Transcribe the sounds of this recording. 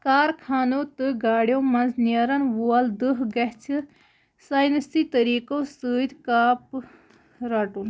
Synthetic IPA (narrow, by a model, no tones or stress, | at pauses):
kaːɾkʰaːnoːt̪ɨɡaːɽjõːmɐnznjaɾɐnʋoald̪ɨɦɡɐɦt͡ʃʰɨ | saːjnəsiːt̪əɾiːkosəːd̪kaːp | ɾaːʈun